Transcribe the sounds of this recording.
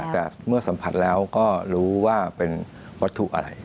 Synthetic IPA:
t̪ɛː˨˩mɯ˥˩ɐsa˩˦mpʰa˨˩t̪̚lɛː˦˥wkɔː˥˩ɾuː˦˥waː˥˩pe˧n | wa˦˥t̪ʰːṵ˨ʔa̰˧ɾa̰˧j

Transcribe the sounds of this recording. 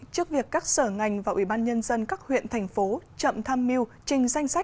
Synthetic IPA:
t͡ɕɨ˦˥ək̚vi˨˩əkːaː˦˥k̚səː˧˩ŋa˨˩jŋ̟vaː˨˩wʔi˧˩ɓaː˧nɲə˧nzə˧nkaː˦˥k̚hwḭ˧˨ənt̪ʰɛ˨˩ŋ̟fo˨˦t͡ɕə̰˧˨mt̪ʰaː˧mːi˧əwt͡ɕï˨˩ŋ̟za˧jŋ̟sa˦˥

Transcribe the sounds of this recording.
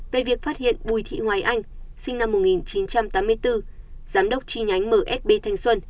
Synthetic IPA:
ve˨˩vi˨˩ək̚faː˦˥t̚hḭ˧˨ənɓu˨˩jt̪ʰḭ˧˨hwaː˨˦jʔa˧jŋ̟sï˧ŋna˧mːo˨˩t̚ŋi˨˩nt͡ɕi˨˦nt͡ɕa˧mt̪aː˨˦mɨ˧əjt̪ɨ˧z̥aː˨˦mɗə˦˥wk͡p̚t͡ɕi˧˩ŋa˨˦jŋ̟məː˧˩ʔɛ˦˥t̚ɓe˧t̪ʰa˧jŋ̟swə˧n

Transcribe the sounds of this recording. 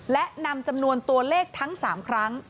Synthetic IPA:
lɛ˦˥ʔna˧mt͡ɕa˧mnu˧ənt̪u˧əleː˥˩k̚t̪ʰa˦˥ŋsaː˩˦mkʰɾa˦˥ŋ

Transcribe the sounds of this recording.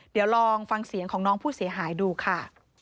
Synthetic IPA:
di˨˩˦əwɾɔː˧ŋfa˧ŋsi˨˩˦ŋkʰɔː˩˦ŋnɔː˦˥ŋpʰuː˥˩si˩˦ɐɦaː˩˦jduː˧kʰa˥˩

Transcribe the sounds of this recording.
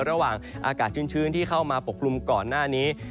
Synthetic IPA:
ɾa˧waː˨˩ŋʔa̰ː˧kaː˨˩t̪̚t͡ɕʰɯː˥˩nt͡ɕʰɯː˥˩nt̪ʰiː˥˩kʰa˥˩wmaː˧po˨˩k̚ʰlu˧mkɔː˨˩nːaː˥˩niː˦˥

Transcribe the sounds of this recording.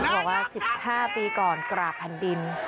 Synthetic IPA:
bɔː˨˩k̚waː˥˩si˨˩p̚haː˥˩piː˧kɔː˨˩nkɾaː˨˩pʰa˧ndi˧n

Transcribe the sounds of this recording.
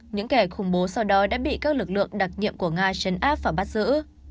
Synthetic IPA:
ɲɨ̰˧˥ŋkɛ˧˩xʊ˧˩ŋ͡mɓo˨˦sa˧wɗɔ˨˦ɗa̰ː˧˥ɓḭ˧˨kaː˦˥k̚lɨ˨˩k̚lɨ̰˧˨əŋɗa˨˩t̚ɲḭ˧˨əmku˧˩əŋaː˧t͡ɕə˨˦nʔaː˦˥p̚vaː˨˩ɓa˦˥t̚zɨ̰˧˥

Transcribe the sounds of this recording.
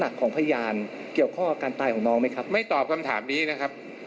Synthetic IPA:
na˨˩kʰːɔː˩˦ŋpʰa˧ja˧jaː˧n | ki˨˩əwkʰɔ˥˩ŋʔaː˧kaː˧nt̪aː˧jkʰɔː˩˦nɔː˦˥ŋma˦˥˩jkʰa˦˥p̚ma˥˩jt̪ɔː˨˩p̚kʰa˧mt̪ʰa̰ː˩˦mniː˦˥na˦˥kʰa˦˥p̚

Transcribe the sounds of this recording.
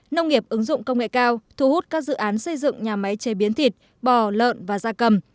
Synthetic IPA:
nə˧wŋ͡mŋi˨˩əp̚ʔɨ˨˦ŋzʊ̰˧˨ŋ͡mkə˧wŋ͡mŋḛ˧˨kaː˧wt̪ʰu˨˩hu˦˥t̚kaː˦˥k̚zɨ̰˧˨ʔaː˨˦nsə˧jzɨ̰˧˨ŋɲaː˨˩ma˨˦jt͡ɕe˨˦ɓi˨˦nt̪ʰi˨˩t̚ | ɓɔ˨˩lə̰ː˧˨nvaː˨˩zaː˧kə˨˩m

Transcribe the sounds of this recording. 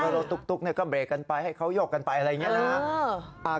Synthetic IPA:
kə˧ɾoː˧t̪ːu˦˥k̚t̪u˦˥k̚ni˥˩ɐkɔː˥˩bɾeː˨˩kːa˧npa˧jha˥˩jkʰa˦˥wjoː˥˩k̚ːa˧npa˧jʔa˧ɾa˧jːŋi˦˥˨a˦˥˩ʔaː˧˩

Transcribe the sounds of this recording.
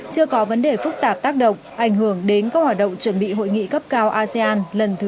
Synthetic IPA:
t͡ɕɨ˧əkɔ˨˦və˨˦nɗe˨˩fɨ˦˥k̚t̪aː˨˩p̚t̪aː˦˥k̚ɗə̰˧˨wŋ͡mʔa˧˩jŋ̟ɦɨ˧˩əŋɗe˨˦nkaː˦˥k̚hwaː˨˩t̚ɗə̰˧˨wŋ͡mt͡ɕwə˧˩nɓḭ˧˨ɦo̰˧˨jŋḭ˧˨kə˦˥p̚kaː˧wʔaː˧ze˧aː˧nlə˨˩nt̪ʰɨ˨˦

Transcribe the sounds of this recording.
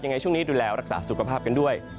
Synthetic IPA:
ja˧ŋa˧jt͡ɕʰŋniː˦˥duː˧lɛː˦˥wɾa˦˥k̚sa̰ː˩˦su˨˩kʰa˧pʰaː˥˩p̚ka˧ndu˥˩əj

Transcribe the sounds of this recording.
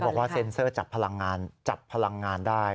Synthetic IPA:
bɔː˨˩k̚waː˥˩se˧nsɤː˥˩t͡ɕa˨˩pʰːa˧la˧ŋːaː˧nt͡ɕa˨˩pʰːa˧la˧ŋːaː˧ndaː˥˩j

